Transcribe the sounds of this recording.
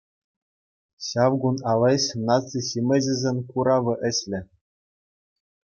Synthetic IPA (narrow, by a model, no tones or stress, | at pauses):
ɕɑʋɡunɑlˠɤɕnɑt͡siɕimʲɘ̆ʑɘ̆zʲenʲkuɾɑʋɤ̆ʔɘ̆ɕlʲɘ̆